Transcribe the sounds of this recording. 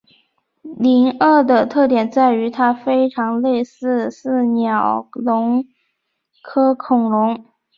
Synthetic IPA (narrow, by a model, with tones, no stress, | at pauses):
li˧˥nə˥˩d̪ə˩t̪ʰɤ˥˩t̪jɛ˨˩nt͡sa˥˩ɪy˧˥t̪ʰa˥fe˥ɪʈ͡ʂʰɑ˧˥ŋle˥˧ɪsɹ̩˥˩˧sɹ̩˥˩njɑ˨˩ʊlʊ˧˥ŋ | kʰɤ˥kʰʊ˨˩ŋɻʊ˧˥ŋ